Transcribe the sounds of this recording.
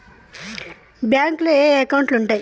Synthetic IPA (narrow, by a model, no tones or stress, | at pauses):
bjaŋkleeekawɳʈluɳʈaj